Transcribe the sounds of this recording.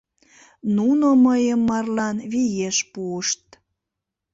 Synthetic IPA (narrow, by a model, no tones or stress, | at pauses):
nunoməjəmːɑrlɑnβijeʃpuəʃt̪̚